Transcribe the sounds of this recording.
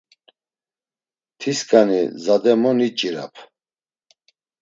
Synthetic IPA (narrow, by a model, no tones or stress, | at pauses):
t̪ʰiskʼanḭzad̪ɛmɔnit͡ʃʼiɾa̰pʰ